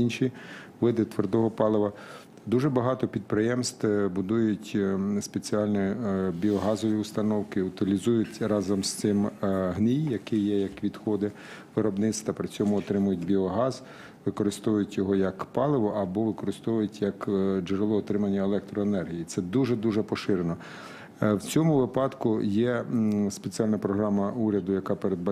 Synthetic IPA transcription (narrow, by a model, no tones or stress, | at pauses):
inʃiʋɪd̪ɪt̪ʋerd̪ɔɦɔpɑlˠɪʋɐ | d̪uʒɛbɐɦɑt̪ɔpʲid̪̚pɾɪjɛmst̪bʊd̪ujʊtʲspet͡sʲiɑlʲnɔbʲiɔɦɑzɔʋʲiʊst̪ɐnɔwkɪʊt̪ɪlʲizujʊtʲrɑzɔmst̪ɪmɦnʲijjɐkɪjɛjɐkʋʲid̪xɔd̪ɪ | ʋɪɾɔbnɪt̪st̪ɐpɾɪt͡sʲɔmʊɔt̪ɾɪmʊjʊt̚ʲbʲiɔɦɑz | ʋɪkɔɾɪst̪ɔʋʊjʊtʲjɔɦɔjɐkpɑlˠɪʋɔʔɐbɔʋɪkɔɾɪst̪ɔʋʊjʊtʲjɐkd͡ʒʊɾelˠɔːt̪ɾɪmɐnʲːɐelˠɛkt̪ɾɔenɛrɦʲijit̪sɛd̪uʒɛd̪uʒɛpɔʃɪɾenɔ | wt͡sʲɔmʊʋɪpɑd̪kʊjɛspet͡sʲiɑlʲnɐpɾɔɦɾɑmɐuɾʲɐd̪ʊjɐkɑpeɾed̪̚bɐ